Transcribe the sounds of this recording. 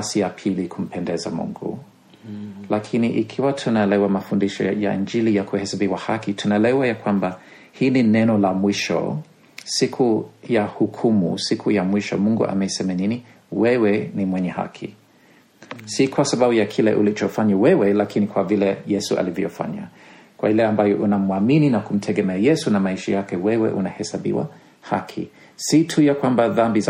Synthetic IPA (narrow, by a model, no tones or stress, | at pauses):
sijapʰilikʰum̩pʰɛndɛza̰mṵŋɡṵ | lakʰiniʔikʰiwatʰunaɛlɛwamafundiʃɔ̰ja̰ʔḭnd͡ʒilijakuhɛsabiwahakitʰunaɛlɛwajakwamba | hiːninɛnɔlamwiʃɔ̰ | sikʰujahukʰumṵsikʰujamwiʃɔmuŋɡṵʔa̰mɛisɛmanini | wɛwɛnimwɛɲɛha̰kʰḭ | sikʰwasababujakʰilɛ̰ʔṵlit͡ʃɔfaɲawɛwɛlakʰinikʰwavilɛjɛsuʔa̰livjɔjɔfa̰ɲa̰ | kwa̰ilɛambajɔʔunamwamininakum̩tʰɛɡɛmɛajɛsunamaiʃajakɛwɛwɛ̰ʔṵnahɛsabḭwa̰ | ha̰kʰḭ | sitʰujakwambaðambiz